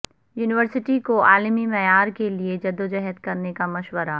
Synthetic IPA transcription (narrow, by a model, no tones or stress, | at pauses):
juːnɪʋəɾsɪʈikoʔaːlmimɛjaːɾkelied͡ʒɐd̪ːod͡ʒɛɦət̪kɐɾnekamɐʃwəɾa